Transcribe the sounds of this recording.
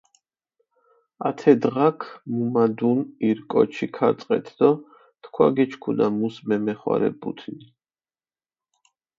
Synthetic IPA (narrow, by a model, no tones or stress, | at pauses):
at̪ʰɛd̪ʁakʰmumad̪uniɾkʼɔt͡ʃʰikʰat̪sʼqʼɛ̰t̪ʰd̪̥ɔ | t̪kʰwaɡɛt͡ʃʰkʰunamusmɛmɛχwa̰ɾɛ̰bṵt̪ʰni